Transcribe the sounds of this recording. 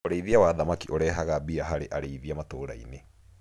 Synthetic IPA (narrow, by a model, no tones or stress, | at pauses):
oɾeiðiawaðamakiʔoɾɛːɦaɣabiaɦaɾeʔaɾeiðiamatoːɾa̰ḭne